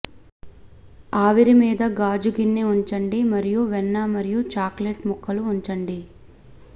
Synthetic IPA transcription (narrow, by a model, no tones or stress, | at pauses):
aːʋiɾimiːd̪ɐɡaːd͡ʒuɡinːeuɲt͡ʃɐɳɖimɐɾijuʋɛnːamɐɾijut͡ʃaːkleʈmukʰːɐluːɲt͡ʃɐɳɖi